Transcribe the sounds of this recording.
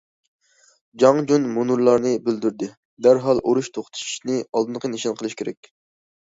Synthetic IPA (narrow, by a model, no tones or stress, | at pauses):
d͡ʒɑŋd͡ʒunmunuɾlˠɑɾnɨbyld̪yɾd̪ɪ | d̪æɾɦɑlˠʔoɾuʃt̪ʰoχt̪ʰu̥ʃʃnɨɑlˠd̪ɨnqʰəniʃɑnqʰəlˠɨʃkʰʲeɾɛ̰kʲ